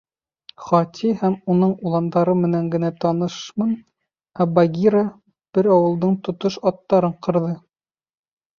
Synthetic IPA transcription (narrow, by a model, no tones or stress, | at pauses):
χɒt̪ʲʰihæmunɤɴulˠɑnd̪ɑɾɤmɘ̆næŋɡɘ̆næt̪ɑnɤʃmɤn | æbaɡʲiɾa | b̥ɘɾɑwɤ̆lˠd̪ɤɴt̪ŏt̪oʃɑt̪ːɑɾɤɴqɤ̆ɾðɤ